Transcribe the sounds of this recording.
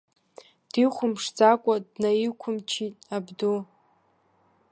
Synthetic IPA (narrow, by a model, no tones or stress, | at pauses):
d̥iχʷʊmʂd͡zakʷʼadnajikʷʰʊmt͡ʃʰitʼabdo